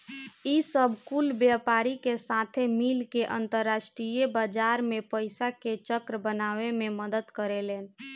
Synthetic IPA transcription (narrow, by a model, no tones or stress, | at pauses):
isəbʱkulbjapaɾikesat̪ʰemilkeʔənt̪əɾːasʈɾijebad͡ʒaɾmepəɪsaket͡ʃəkɾəbənaʋememəd̪əd̪kəɾelen